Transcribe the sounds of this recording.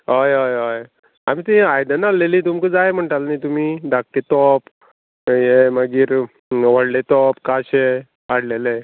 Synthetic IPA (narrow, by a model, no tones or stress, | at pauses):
ɦojɦojɦoj | am̤it̪ĩajd̪ənalːeliːt̪umkəd͡zajm̤əɳʈalnit̪umiːd̪ak̚t̪et̪ɔp | jeməɡiːɾ | ʋəɽlet̪ɔpkaɕe | ʋaɽlele